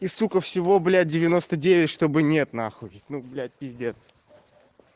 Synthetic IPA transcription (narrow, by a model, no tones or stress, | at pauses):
isukəfsʲɪvo̞blʲæt̚ʲdʲɪvʲɪno̞st̪ədʲevʲɪtʲʂt̪o̞bɨnʲet̪naxʊvʲɪtʲnublʲæt̚ʲpʲɪzʲdʲet̪s